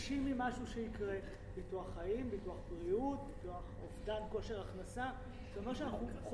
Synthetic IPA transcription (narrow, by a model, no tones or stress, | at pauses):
ʃimimaʃuʃeikʁe̞ | bituaχːaimbituaχbliut̪̚bituaχovdanko̞ʃe̞ʁaχnasa | someʁʃeanaχuχ